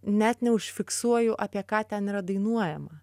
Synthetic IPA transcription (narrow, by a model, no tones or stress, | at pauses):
nʲæt̪nʲɛʊʃʲfʲɪksuɔjʊʔɑpʲiɛkɑːt̪ʲɛniːɾɐd̪ɐɪnuɔjɛmɐ